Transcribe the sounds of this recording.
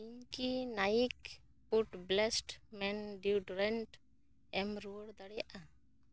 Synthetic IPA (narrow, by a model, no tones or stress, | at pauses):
iɲkinajik | puʈblɛsʈmɛnɖiuɖɾɛɳʈ | ɛmɾuəɽd̪aɽɛjaʔa